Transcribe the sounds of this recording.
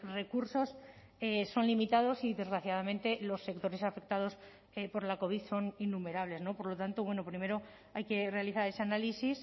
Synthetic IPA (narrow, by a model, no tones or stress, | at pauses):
re̞kuɾso̞s | eso̞nlimit̪að̞o̞siðe̞zɣɾaθjaðamẽ̞nt̪e̞lo̞sːe̞k̚t̪o̞ɾe̞safe̞k̚t̪aðo̞s | epo̞ɾlako̞β̞iðso̞ninːume̞ɾaβle̞zno̞po̞ɾlo̞t̪ant̪oβwe̞no̞pɾime̞ɾo̞ | ajke̞re̞aliθaɾe̞se̞analisis